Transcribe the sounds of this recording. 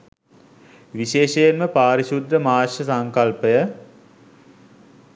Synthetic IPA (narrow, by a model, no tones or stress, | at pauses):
ʋiɕeːʃejenməpaːɾiʃud̪ɾəmaːʃəsaŋkalpəjə